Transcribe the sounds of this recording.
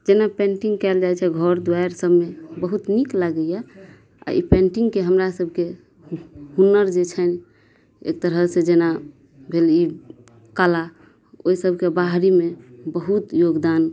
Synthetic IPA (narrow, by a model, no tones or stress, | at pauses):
d͡ʒenapẽɳʈĩŋɡkɛld͡ʒajt͡ʃʰɛɡʱɔɾd̪waeɾsəbmebəɦut̪niklaɡəja | a̰ḭpẽɳʈiŋɡkeɦəmɾasəbʱke | ɦunːəɾd͡ʒet͡ʃʰən | ḛk̚t̪əɾɦəsẽd͡ʒena | bʱeli | kala | oisəbʱkebaɦɾimebəɦut̪joɡd̪an